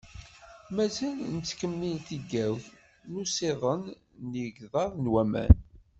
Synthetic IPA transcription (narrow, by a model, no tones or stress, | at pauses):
mæzælnət͡sːkəmːinθiɡːæwθ | nuseðˤən | njəɡðˤɑðˤnwæmæ̰n